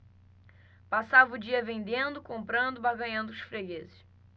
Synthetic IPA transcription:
pasavɐʊd͡ʒiɐvẽnd̪ẽnd̪ʊkõmpɾɐ̃nd̪ʊbaɡɐ̃ɲɐ̃nd̪ʊʊʃfɾeɡezɪʃ

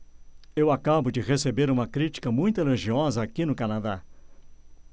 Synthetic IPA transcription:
ewakabʊd͡ʒɪʁesebeɾũmɐkɾit͡ʃi̥kɐmũj̃t̪ʊeloʒiɔzɐakinʊkɐnad̪a

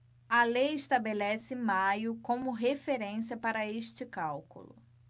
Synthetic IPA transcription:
ɐlejɪʃt̪abelɛsɪmajʊkõmʊɦefeɾẽsiɐpaɾɐeʃt͡ʃɪkawkṵlʊ̰

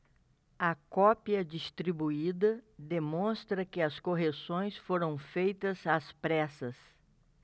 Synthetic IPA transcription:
ɐkɔpiɐd͡ʒist̪ɾibuid̪ɐd̪emõst̪ɾɐkɪɐskoɦesõj̃sfoɾɐ̃w̃fejt̪ɐzaspɾɛsɐs

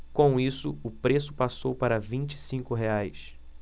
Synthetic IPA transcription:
kõw̃isʊʊpɾesʊpasowpaɾɐvĩnt͡ʃɪ̥sĩŋkʊɦeajs

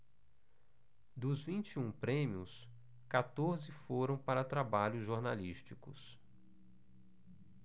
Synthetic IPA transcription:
d̪ʊzvĩnt͡ʃiũpɾẽmiʊs | kat̪oɾzɪfoɾɐ̃w̃paɾɐt̪ɾabaʎʊzʒoɾnaliʃt͡ʃikʊs

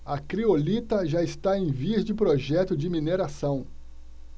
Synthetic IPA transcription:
ɐkɾiolit̪ɐʒaɪst̪aẽj̃viɐsd͡ʒɪpɾoʒɛt̪ʊd͡ʒɪmineɾasɐ̃w̃

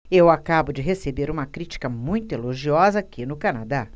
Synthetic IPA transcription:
ewakabʊd͡ʒɪɦesebeɾũmɐkɾit͡ʃi̥kɐmũj̃t̪ʊeloʒiɔzɐaːkʲinʊkanad̪a

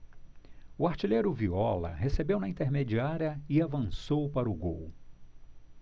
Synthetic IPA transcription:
uaɾt͡ʃilejɾʊviɔlɐ̰ɦesebewnɐĩnt̪eɾmed͡ʒiaɾiɐɪavɐ̃sowpaɾʊɡo̰w

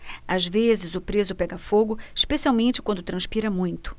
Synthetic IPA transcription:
azvezɪzʊpɾezʊpɛɡɐfoɡʊiʃpesiawmẽnt͡ʃɪ̥kwɐ̃nd̪ʊt̪ɾɐ̃spiɾɐmũj̃t̪ʊ̥

